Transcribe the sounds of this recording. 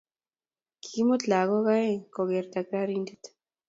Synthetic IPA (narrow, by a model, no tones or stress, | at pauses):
kʰimot͡ɬaɣoɣaekoɣeɾt̪akaɾind̪et̪